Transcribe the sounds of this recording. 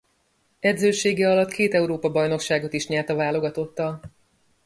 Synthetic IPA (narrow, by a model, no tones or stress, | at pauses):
ɛd̪zøːʃeːɡɛɒlɒt̪keːt̪ɛuɾoːpɒbɒjno̞kʃaːɡo̞t̪iʃɲɛːlt̪ɒvaːlo̞ɡɒt̪o̞t̪ːɒl